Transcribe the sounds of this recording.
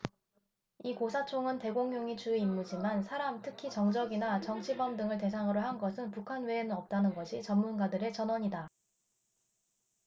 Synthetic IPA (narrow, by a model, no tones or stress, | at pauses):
ikosʰat͡ɕʰoŋɯnte̞ɡoŋjoŋit͡ɕuimːud͡ʑimansʰaɾamtʰɯkʰit͡ɕʌŋd͡ʑʌɡinat͡ɕʌŋt͡ɕʰibʌmdɯŋɯɭt̬e̞s̬ʰaŋɯɾoɦanɡʌsʰɯnpukʰanwe̞enɯnʌp̚t͈anɯnɡʌɕʰit͡ɕʌmːunɡadɯɾe̞t͡ɕʌnwʌɲida